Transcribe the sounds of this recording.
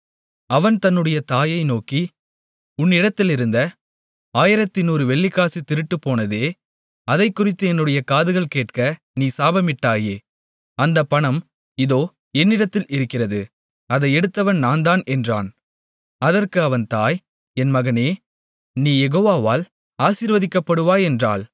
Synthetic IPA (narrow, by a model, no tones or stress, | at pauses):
ɐʋɐnt̪ɐnːɯɽɐjɐt̪aːjɐɪnoːki | ʊnːɪɽɐt̪ːɪlɪɾɯnd̪ɐ | aːjɪɾɐt̪ːɪnuːɾɯʋɛɭːɪkːaːsit̪ːɪɾɯʈːɯpːoːnɐðeː | ɐðɐɪkːʊrɪt̪ːɯɛnːɯɽɐjɐkaːðɯɣɐɭkeːʈ̚kɐ | niːsaːbɐmɪʈːaːjeː | ɐnd̪ɐpːɐɳɐm | ɪðoː | ɛnːɪɽɐt̪ːɪlʔɪɾɯkːɪrɐðɯ | ɐðɐɪɛɽɯt̪ːɐʋɐnnaːnd̪aːnɛndra̰ːn | ɐðɐrkɯɐʋɐnt̪aːj | ɛnmɐɣɐneː | niːjɛɣoːʋaːʋaːl | aːsiːɾʋɐðɪkːɐpːɐɽɯʋaːjɛndra̰ːl